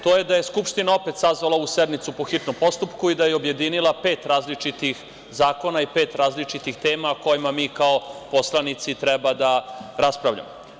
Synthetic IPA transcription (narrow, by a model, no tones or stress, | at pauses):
t̪oːjed̪aje̞skupʂt̪inao̞pe̞t̪sazʋalˠaused̪nit̪supo̞xit̪nompo̞st̪upkuid̪ajeo̞bje̞d̪inilˠape̞ːt̪ɾaːzlit͡ʃit̪ix | zaːko̞naipeːt̪ɾaːzlit͡ʃit̪ixt̪e̞ːmaoko̞jimamiːkao̞po̞slˠanit̪sit̪ɾɛbad̪aɾaspɾavʎa̰mo